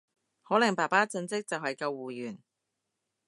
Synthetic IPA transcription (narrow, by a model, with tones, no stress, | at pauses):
hɔː˨˥lɐ˨˩ŋpaː˨˩paː˥t͡sɵ˧nt͡sɪ˥k̚t͡sɐ˨wɦɐ˨jkɐ˧wːuː˨˩jyː˨˩n